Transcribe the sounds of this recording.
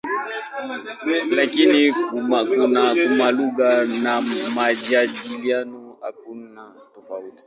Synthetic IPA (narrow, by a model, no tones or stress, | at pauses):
lakiniumakunakumaluɣanamad͡ʒaɗilianɔha̰kuna | tɔfauti̥